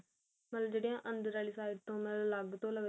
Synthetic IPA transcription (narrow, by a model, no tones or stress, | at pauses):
mət̪ləbd͡ʒeːɽejãːʔənd̪əɾaːɭiːsaːɪɖt̪õːmɛlləɡt̪õːləɡ